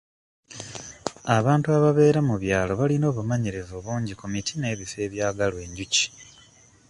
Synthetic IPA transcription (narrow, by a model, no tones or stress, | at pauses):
aβaːntuaβaβe̞ːɾamuβjaːlo̞βalino̞ːβumaɲiɾe̞zo̞ːβuːɲɟikomitʰine̞ːβife̞ːβjaːɡalwe̞ːɲɟuci̥